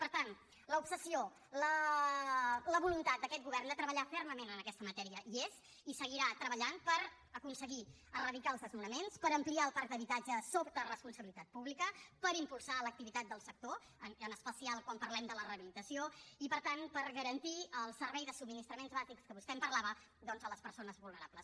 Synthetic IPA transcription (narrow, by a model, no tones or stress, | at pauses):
pəɾt̪an | ləupsəsio | lə | ləβulunt̪at̪̚d̪əkɛt̪̚ɡuβɛrnd̪ət̪ɾəβəʎafɛrməmenənəkɛst̪əmət̪ɛɾiəʔiez | isəɣ̞iɾat̪ɾəβəʎanpəɾ | əkunsəɣi | ərəðikaəlˠzðəzmunəmenspəɾəmpliaəlˠpak̚d̪əβit̪ad͡ʒəsopt̪ərəspunsəβilit̪at̪̚puβlikəpəɾimpulˠsalək̚t̪iβit̪at̪̚d̪əlˠsək̚t̪o | ənənəspəsialˠkwampəɾlɛmd̪ələrəβilit̪əsioipəɾt̪anpəɾɣəɾənt̪iəlˠsəɾβɛjðəsub̚minist̪ɾəmenzβazikskəβust̪ɛmpəɾlaβə | d̪ɔnzələspəɾsonəzβulˠnəɾapləs